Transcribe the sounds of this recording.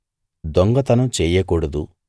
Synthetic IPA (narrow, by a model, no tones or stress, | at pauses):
d̪ɔŋɡɐt̪ɐnɐt͡ʃɛːjɐkuɽɐd̪u